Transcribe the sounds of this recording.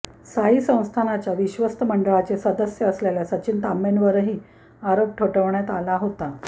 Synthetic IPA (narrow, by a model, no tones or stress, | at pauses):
saisə̃w̃st̪ʰanat͡ɕjaʋiɕʋəst̪ʰəməɳɖəɭat͡sesəd̪əsjəːsleljasət͡ɕiːnt̪amenʋəɾəɦiː | aɾop̚ʈʰoʈəʋɳjat̪alaɦot̪a